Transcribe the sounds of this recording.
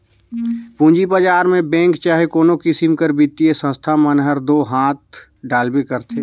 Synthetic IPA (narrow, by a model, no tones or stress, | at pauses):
pũːɲd͡ʒibəd͡ʒaːɾmẽbɛ̃ːŋkt͡ʃaːɦekoːnokisimkəɾbit̪ːijesə̃st̪ʰamənɦəɾd̪oːɦaːt̪̚ | ɖaːlbekəɾt̪ʰeː